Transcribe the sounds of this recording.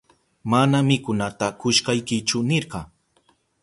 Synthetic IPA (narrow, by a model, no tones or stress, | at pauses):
manamɪkʊnat̪akʊʃkɑjkɪt͡ʃʊnɪɾɢɑ